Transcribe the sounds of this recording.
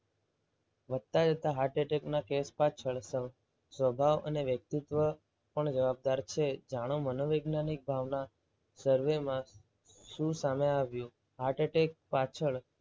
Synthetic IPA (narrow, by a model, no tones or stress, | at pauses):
ʋəd̪̚t̪ad͡ʒət̪aɦaɾʈeʈeknakespat͡ʃʰəɭsə | sʋəbʱaʋə̰neʋjək̚t̪it̪ʋə | pəɳd͡ʒəʋab̚d̪aɾt͡ʃʰed͡ʒaɽ̃omənoʋeɡnanik̚bʱaʋna | səɾʋemã | ʃũsameaʋjũ | ɦaɾʈeʈek̚pat͡ʃʰəɭ